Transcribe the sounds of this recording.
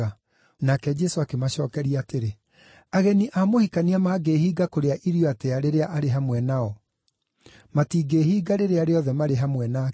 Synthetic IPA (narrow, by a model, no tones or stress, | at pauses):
a | nakɛd͡ʒɛsoakemaɕɔːkɛɾiaːteɾe | aɣɛniʔamohikaniamaːɡehiːɡakoɾeaʔiɾjoateaɾeɾeaʔaɾeɦamwɛnaɔ | matiːɡeːɦiːɡaɾeɾeaɾeɔðɛmaɾeɦamwɛna